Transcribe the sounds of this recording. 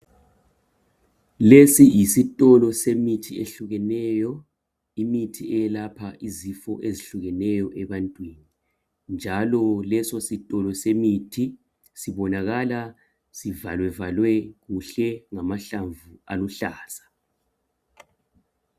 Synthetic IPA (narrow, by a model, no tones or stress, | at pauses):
lesijisitʼɔlɔsemitʰiḛɬuɣɛnɛjɔ | imitʰiɛjɛlapʰaʔizifɔ̰ʔeziɬuɣɛnɛjɔʔɛβantʼwiːni | nd͡ʒʱalɔlɛsositʼɔlɔsemitʰi | siβɔnaɣala | sivalwɛvalwɛɣuɬɛŋamaɬaɱvua̰luɬaːsḁ